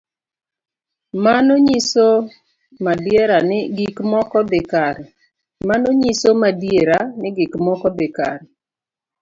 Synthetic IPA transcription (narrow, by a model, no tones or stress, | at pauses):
manoɲiso | madjeɾanɪɡikmɔkɔbɪkaɾ | manoɲisomadjeɾanɪɡikmɔkɔbɪka̰ɾ